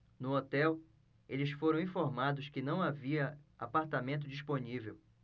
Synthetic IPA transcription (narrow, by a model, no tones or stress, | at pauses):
nʊot̪ɛw | elɪsfoɾɐ̃w̃ĩfoɾmad̪ʊskɪnɐ̃w̃aviɐa̰paɾt̪amẽnt̪̬ʊd͡ʒisponivew